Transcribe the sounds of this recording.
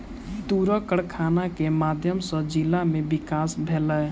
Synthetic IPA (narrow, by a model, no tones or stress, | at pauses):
t̪uɾəkəɽkʰanakemad̪ʱjəmsə̃d͡ʒilːamebikasbʱelə